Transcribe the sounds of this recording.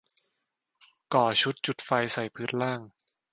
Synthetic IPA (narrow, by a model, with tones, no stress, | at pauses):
kɔː˨˩t͡ɕʰu˦˥t̪̚t͡ɕu˨˩t̪̚fa˧jsa˨˩jpʰɯː˦˥t̪̚laː˥˩ŋ